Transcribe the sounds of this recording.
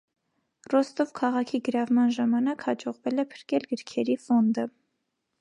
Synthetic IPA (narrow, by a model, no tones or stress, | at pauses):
rɔst̪ɔvkʰɑʁɑkʰiɡəɾɑvmɑnʒɑmɑnɑkhɑd͡ʒɔʁvɛlɛpʰə̥ɾkɛlɡəɾkʰɛɾifɔnd̪ə